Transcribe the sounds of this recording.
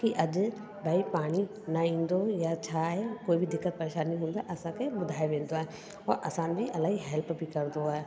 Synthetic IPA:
kiʔɐd͡ʒ | baːipaːɽ̃i | naĩːnd̪ojat͡ʃʰaɦekoːibʱid̪ɪkːət̪̚pɐɾeːʃaːnːĩːɦõːnd̪aʔɐsãkebʊd̪ʱaːeʋẽːnd̪oɦɛ | ɔːɾʔɐ̰saːnbʱiʔɐlaːɦiɦɛːlpbʱikɐɾd̪oɛː

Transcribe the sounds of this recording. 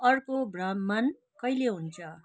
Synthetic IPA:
ʌrkobrʌmːʌn | kʌjleɦunt͡sʰʌ

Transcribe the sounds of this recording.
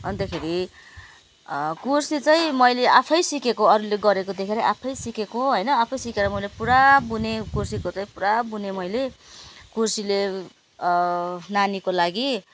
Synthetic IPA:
ʌnt̪akʰeɾi | kursit͡sʌj̃mʌjleʔapʰʌjsikekoʌɾuleɡʌɾekod̪ekʰeɾʌʔapʰʌjsikekoɦʌjnʌapʰʌjsikeɾʌmʌjlepuɾabunekursikot͡sʌj̃puɾabunemʌjlekursile | nanikolaɡi

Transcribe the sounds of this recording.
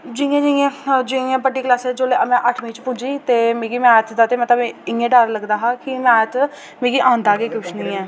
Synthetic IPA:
d͡ʒĩẽːd͡ʒiẽːd͡ʒĩẽːpəɖiːklaːsɛːd͡ʒoːleːəmɛ̃ːʔəʈʰmĩːt͡ʃpʊ̃d͡ʒiːt̪eːmẽːɡiːmɛ̃ːt̪ʰd̪aːt̪eːmət̪ləbɪẽːɖəɾləɡd̪aːɦaːkɪmɛ̃ːt̪ | mẽːɡiːʔãːnd̪aːɡeːkʊʃʰnĩːɛː

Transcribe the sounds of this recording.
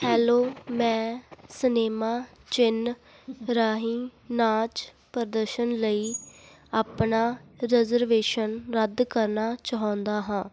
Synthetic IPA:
hɛːloːmɛ̃ːsəneːmaː | t͡ʃɪn | ɾaːɦiːnãːt͡ʃ | pəɾd̪əɾʃənləiː | aːpnaːɾɛzəɾʋeːʃənɾəd̪kəɾnaːt͡ʃaːɦɔ̃ːnd̪aːɦãː

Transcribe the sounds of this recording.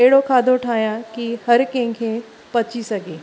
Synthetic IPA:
eɦɽokʰaːd̪ʱoʈʰaːjãkihɐɾkẽkʰẽ | pɐt͡ʃisɐɡeː

